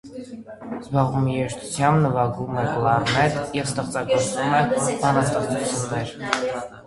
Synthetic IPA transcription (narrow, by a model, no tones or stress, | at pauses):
zbɑʁumjɛʃt̪ʰut͡sʰjɑmbnəvɑɡumɛkəlˠɑrnɛɾjɛvs̬t̪əχt͡sɑkəɾt͡sumɛbɑnɑst̪əχt͡sut͡sʰunːɛɾ